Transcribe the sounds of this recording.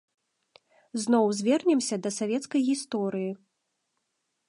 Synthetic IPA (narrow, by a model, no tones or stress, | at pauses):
znɔwzʲvʲɛrnʲɛmsʲɐd̪ɐsavʲɛt̪skɐjɣʲist̪ɔɾɨji